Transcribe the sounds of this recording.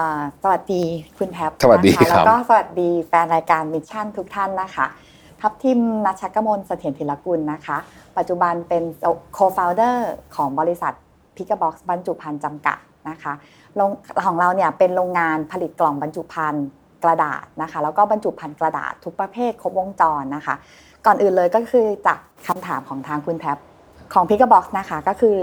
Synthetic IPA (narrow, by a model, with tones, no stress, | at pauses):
ʔəː˨˩sa˧wa˨˩t̪̚diː˧kʰu˧nt̪ʰɛ˦˥p̚sa˧wa˨dḭː˧˦˥lɛ˦˥kɔː˥˩sa˧wa˨˩t̪̚diː˧fɛː˧nɾaː˧jkaː˧nmi˦˥t͡ɕʰa˥˩nt̪ʰu˦˥k̚t̪ʰa˥˩nːa˦˥kʰa˦˥˩ | t̪ʰa˦˥p̚t̪ʰi˧mna˦˥t̪̚t͡ɕʰa˦˥kːa˧mo˧nsa˧t̪ʰi˩˦nt̪ʰe˩˦la˧ku˧nːa˦˥kʰa˦˥pa˨˩t̪̚t͡ɕu˨˩ba˧npe˧nkʰoː˧faː˧wdɤː˥˩kʰɔː˩˦ŋbɔː˧li˧˥sa̰˨˩t̪̚ | pʰi˦˥kːa˧bɔː˦˥k̚sba˧nt͡ɕu˨˩pʰa˧nt͡ɕa˧mka̰˨˩t̪̚na˦˥kʰa˦˥ | ɾoː˧ŋʰɔː˩˦ŋɾa˧wni˥˩ɐpe˧nɾoː˧ŋːaː˧npʰa˧li˨˩t̪̚klɔ˨˩ŋba˧nt͡ɕu˨˩pʰa˧n | kɾa˧da̰ː˨˩t̪̚na˦˥kʰa˦˥lɛː˦˥wkɔː˥˩ba˧nt͡ɕu˨˩pʰa˧nkɾa˧da̰ː˨˩t̪ʰːu˦˥k̚pɾa˧pʰeː˥˩t̪̚kʰo˦˥p̚wo˧ŋt͡ɕɔː˧nːa˦˥kʰa˦˥ | kɔː˨˩nʔɯː˨˩nlɤː˧jkɔː˥˩kʰɯː˧t͡ɕaː˨˩k̚kʰːa˧mt̪ʰaː˩˦mkʰɔː˩˦ŋt̪ʰaː˧ŋkʰu˧nt̪ʰɛ˦˥p̚ | kʰɔː˩˦ŋpʰi˦˥k̚a˧˩bɔː˦˥k̚sna˦˥kʰa˦˥kɔː˥˩kʰɯː˧